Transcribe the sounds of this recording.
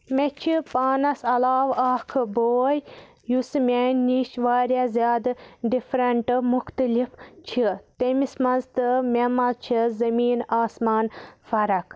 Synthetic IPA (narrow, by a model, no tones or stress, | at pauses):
met͡ʃʰipaːnɐsɐlaːʋaːkʰboːj | jusmʲenːiʃʋaːɾʲjazʲjaːd̪ɖifɾɐɳʈmuxt̪əlift͡ʃʰit̪emismɐnzt̪ɨmʲemɐzt͡ʃʰizɐmiːnaːsmaːnfɐɾɐkʰ